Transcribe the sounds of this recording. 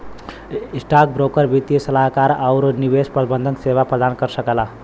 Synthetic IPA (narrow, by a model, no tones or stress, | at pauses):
isʈak̚bɾokəɾbʱit̪isəlaɦkaɾaʊɾniβespɾəbənd̪ʱəŋkseβapɾəd̪ankəɾsəkela